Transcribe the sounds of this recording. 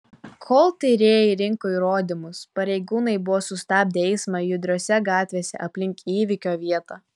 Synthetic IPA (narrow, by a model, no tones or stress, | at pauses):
kʰoːlˠt̪ʲɐɪɾʲeːjɪɾʲɪŋkoːiːɾoːd̪ʲɪmʊspɐɾʲɛɪɡuːnɐɪbʊʋoːsʊst̪ɑːp̚d̪ʲɛɪsmɑjʊd̪ʲɾʲoːsʲɛɡɑːt̪ʲʋʲeːsʲɛ̰ʔɐpʲlʲɪŋʲkiːʋʲɪkʲoːʋʲiɛt̪ɑː